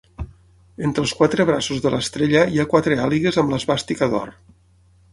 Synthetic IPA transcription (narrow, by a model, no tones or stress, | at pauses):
ent̪ɾəlˠskwat̪ɾəβ̞ɾasuzðələ̰st̪ɾeʎəiakwat̪ɾealiɣezəmləzβast̪ikəðɔ̰r